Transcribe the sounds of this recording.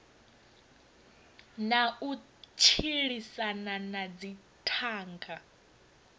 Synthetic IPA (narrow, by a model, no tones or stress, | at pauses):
nau | t͡ʃʰiɺisananad͡zi | tʰaːŋɡa